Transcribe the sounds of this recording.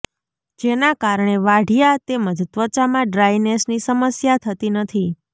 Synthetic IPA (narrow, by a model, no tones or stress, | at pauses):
d͡ʒenakaɾɳeʋaɽʱijat̪eməd̪t̪ʋət͡ʃamãɖɾajnesnisəməsjat̪ʰət̪inət̪ʰi